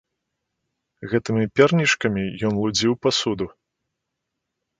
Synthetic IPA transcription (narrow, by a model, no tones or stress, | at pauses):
ɣɛt̪ɨmʲipʲɛrnʲiʂkɐmʲijɔnlˠud͡zʲiwpasud̪u